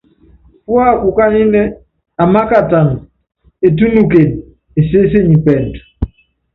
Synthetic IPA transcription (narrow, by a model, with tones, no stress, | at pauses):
fwa˦˨ku˨ka˦ɲi˦ne˦ | a˨ma˦ka˨ta˨n | e˨t̬u˦nu˦ke˨n | e˨se˦s̬e˦˨ɲi˨pɛ˨n˨t